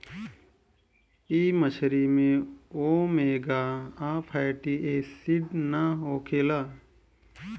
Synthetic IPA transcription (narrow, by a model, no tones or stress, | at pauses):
iːməʃʰɾimẽoːmeːɡaːaːpʰaːjʈiːeːsiɖnaoːkʰeːlaː